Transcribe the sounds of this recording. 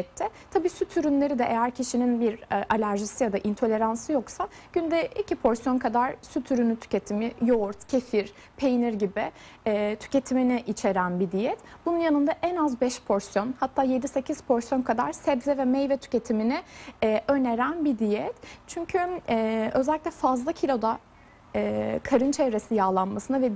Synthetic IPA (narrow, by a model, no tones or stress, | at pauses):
t̪ʰːɛt̪ʰabiːsyt̪ʰyɾynlʲe̞ɾid̪ɛʔejæɾcʰiʃininbiɾʔalʲæɾʒisijad̪aʔint̪ʰo̞lʲe̞ɾansɯjo̞ksa | ɟ̥ynd̪ɛicʰipʰo̞ɾsjo̞nkʰad̪aɾsyt̪ʰyɾynyt̪ʰy̥ce̞t̪ʰimɪjoɾt̪cʰefiɾ | pʰe̞jiniɾɟibɪː | t̪ʰy̥ce̞t̪ʰiminiʔit͡ʃʰe̞ɾænbid̪ijɛt̪bununjanɯnd̪aʔɛnazbɛʃpʰo̞ɾsjo̞nhat̪ʰːaːje̞d̪ise̞cʰiz̥pʰo̞ɾsjo̞nkʰad̪a̰ɾsɛbzɛvɛmɛjvɛt̪ʰy̥ce̞t̪ʰiminɪːʔø̞neɾænbid̪ijɛt̪t͡ʃʰyɲcʰyɛø̞zɛlʲːiclʲɛfazlˠacʰilʲo̞d̪a | ɛkʰaɾɯnt͡ʃʰevɾe̞sijaːlˠanmasɯnavɛ